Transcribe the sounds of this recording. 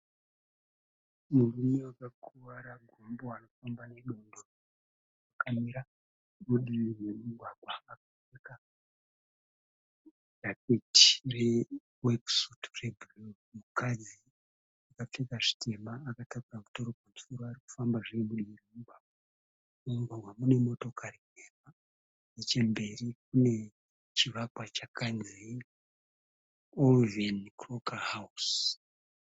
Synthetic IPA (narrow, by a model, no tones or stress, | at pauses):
murume̞wakakʰuʋaɾaɡʱomboano̞fambane̞ɗo̞ndo | akamiɾa | muɗinirwemuɡʱwaɡʱwaːkafeka | rapeti̥re | weksutrebro | mukad͡zi | akap͡fekaʐi̥tʰe̞maːkatakuramuto̞ɾo̞panzuɾoariku̥fambaʐiemuɗiriubaa | uŋɡawamune̞mo̞to̞kʰari | ema | net͡ʃe̞mbe̞rik̚une̞ | t͡ʃiʋakwat͡ʃakanzi | ovenkrokahawus